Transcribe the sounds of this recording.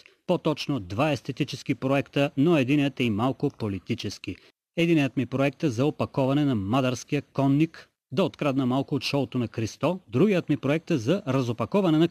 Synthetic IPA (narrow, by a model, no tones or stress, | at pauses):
pot̪ɔt͡ʃnod̪vaɛst̪ɛt̪it͡ʃɛskipɾoɛkt̪ənoɛd̪inijət̪ɛimalˠkʊpolit̪it͡ʃɛski | ɛd̪inijət̪mipɾoɛk̚t̪əzɐopɐkɔvɐnɛnɐmad̪ɐɾsk̟ijəkɔnːik | d̪ɐot̪kɾad̪nɐmalˠkoot̪ʃɔlˠot̪onɐkɾist̪ɔd̪ɾuɡijət̪mipɾoɛk̚t̪əzɐɾɐzopɐkɔvɐnɛnɐ